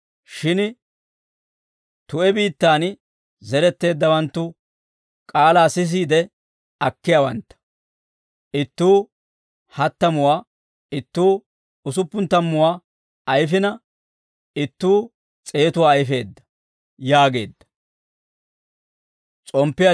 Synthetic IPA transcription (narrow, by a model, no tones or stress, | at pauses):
ʃɪn | t̪ʊʔɛbiːt̪ːaːn | zɛɾɛt̪ːe̞ːd̪ːɐwɐnt̪ːʊ | kʼaːlaːsɪs̬iːd̪ɛ | ɐkːɪjawɐnt̪ːɐ̥ | ʔɪt̪ːuː | hɐt̪ːɐmʊwaː | ɪt̪ːuː | ʊsʊpːʊnt̪ːɐmːʊwaː | ɐjfɪnɐ | ɪt̪ːuː | t͡sʼe̞ːt̪ʊwaːjfe̞ːd̪ːɐ̥ | jaːɡe̞̰ːd̪ːɐ̥ | t͡sʼɔmpːɪja